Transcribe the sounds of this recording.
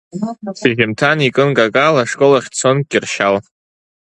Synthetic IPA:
siʒʲɪmtʰanikʼɨnɡʼakʼalaʂkʼolaχʲt͡sʰonɡʲʼɪrʃal

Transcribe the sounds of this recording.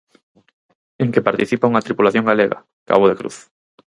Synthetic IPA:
eŋkepaɾt̪iθipauŋɐt̪ɾipulaθjoŋɡaleɣa̰ | ka̰βoðekɾṵθ

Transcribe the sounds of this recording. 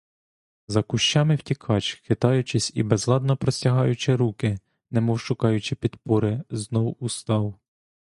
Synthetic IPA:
zɐkʊʃt͡ʃɑmɪwtʲikʰɑt͡ʃxɪt̪ɑjʊt͡ʃɪsʲḭbɛzlˠɑd̪nɔpɾɔsʲtʲɐɦɑjʊt͡ʃɪɾukɪ | nɛmɔwʃʊkɑjʊt͡ʃɪpʲid̪pɔɾɪznɔwust̪ɑw

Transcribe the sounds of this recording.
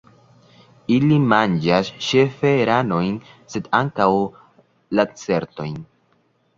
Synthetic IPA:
ilimand͡ʒasʃe̞fe̞ɾano̞jnse̞daŋkaw | lat͡se̞ɾto̞jn

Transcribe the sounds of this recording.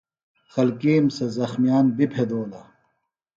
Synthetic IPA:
xɐlkiːmsɐzɐxmijaːnbipʰed̪oːlɐ

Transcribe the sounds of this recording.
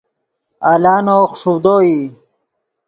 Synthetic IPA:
alaːnoːxʂud̪oːi

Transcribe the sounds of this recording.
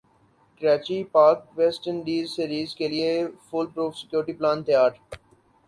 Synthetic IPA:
kəɾaːt͡ʃipaːɾkʋɛːsʈənɖiːzsiɾiːzkelɪefʊlpɾoːfsɪ̥kjoːɾʈiplãːnt̪əjaːɾ

